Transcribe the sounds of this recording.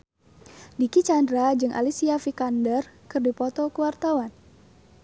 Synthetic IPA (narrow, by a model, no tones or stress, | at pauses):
dikit͡ʃandɾad͡ʒɨŋʔa̰lisiafikandərkɨrdipɔt̪ɔkəwart̪awan